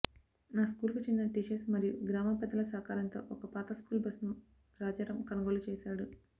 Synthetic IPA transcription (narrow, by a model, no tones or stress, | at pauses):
naːskuːlkut͡ʃind̪ːɐʈiʃesmɐɾijuɡɾaːmɐpɛd̪ːɐlɐsaːkaːɾɐnt̪o̞̰ːʔɔkɐpaːt̪ɐskuːlbɐsnu | ɾaːd͡ʒɐːɾɐmkɐnuɡoːlut͡ʃeːsaːɽu